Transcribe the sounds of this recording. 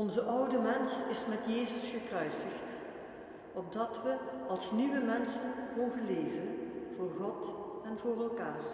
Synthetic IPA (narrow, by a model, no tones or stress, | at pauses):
ɔnzəʔʌwdəmɛnsɪsmɛtjeːzəsxəkrœɥsəxt | ɔb̚dɑtʋəɑlˠsniʋəmɛnsənmowɣənleːvənv̥ʊːɹχɔtɛnvʊːrɛlˠkaːr